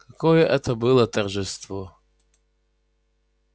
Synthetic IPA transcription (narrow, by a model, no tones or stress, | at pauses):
kakɔjɛʔɛt̪ɐbɨlˠɐt̪ɐrʒɪst̪vɔ